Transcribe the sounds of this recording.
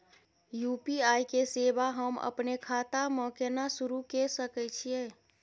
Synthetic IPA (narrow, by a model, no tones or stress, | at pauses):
jupiajkesebaɦəmə̰pnekʰat̪amə̃kenasuɾukesəkɛt͡ʃʰije